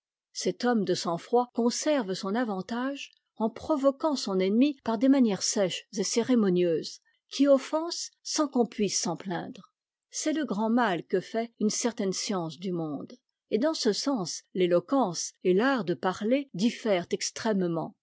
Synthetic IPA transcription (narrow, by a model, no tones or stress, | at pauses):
sɛt̪ɔmd̪əsɑ̃fχwakɔ̃sɛʁvsɔ̃navɑ̃t̪aʒ | ɑ̃pχɔvɔkɑ̃sɔ̃nɛnmipaʁd̪emanjɛʁsɛʃzeseʁemɔnjøz | kʲiɔfɑ̃sːɑ̃kɔ̃pɥisːɑ̃plɛ̰̃ːd̪ʁ | sɛləɡʁɑ̃malkəfɛynsɛʁt̪ɛnsjɑ̃sd̪ymɔ̃d̪ | ed̪ɑ̃səsɑ̃slelɔkɑ̃selaʁd̪əpaʁled̪ifɛʁt̪ɛkst̪χɛmmɑ̰̃